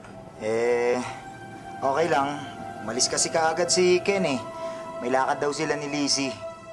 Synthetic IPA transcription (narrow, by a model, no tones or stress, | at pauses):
ʔɛ | ʔo̞ːkɛjlɐŋmɐlɪskɐsɪkɐʔaɡad̪̚sikɛnɛmɐjlaːkɐd̪ːɐwsɪlanɪliːsi